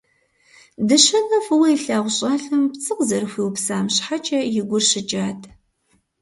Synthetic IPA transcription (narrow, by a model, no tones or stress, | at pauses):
dɨɕɐnɐfɨwɐiɬaːʁʷʊɕʼaːɬɨmpt͡sʼɨqzɐrxʷiːwpsaːmɕħat͡ʃʼɐjɪɡʷʊrɕɪt͡ʃʼaːtʰ